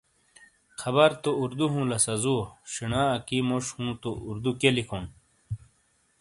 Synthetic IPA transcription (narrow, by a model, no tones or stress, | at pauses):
kʰɐβɐɾt̪ouɾd̪uɦũːlɐsɐzuɕinãːɐkimoʂhũːt̪ouɾd̪ukelikʰon